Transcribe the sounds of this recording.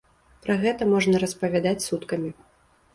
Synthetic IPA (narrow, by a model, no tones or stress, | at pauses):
pɾɐɣɛt̪ɐmɔʐnɐɾɐspɐvʲad̪at͡sʲsut̪kɐmʲi